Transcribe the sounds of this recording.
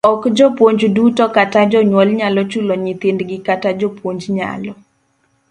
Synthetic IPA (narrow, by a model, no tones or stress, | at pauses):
ɔkd͡ʒɔpwoɲd͡ʒdutɔkatad͡ʒɔɲwɔlɲalɔt͡ʃulɔɲit̪ɪndɡɪkatad͡ʒɔpwoɲd͡ʒɲa̰lɔ